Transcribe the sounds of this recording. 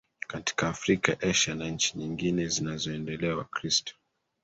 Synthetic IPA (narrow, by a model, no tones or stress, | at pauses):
kati̥kaːfɾikaʔɛʃanaɲ̩t͡ʃiɲiŋɡinɛzinazɔɛndɛlɛawa̰kɾistɔ̥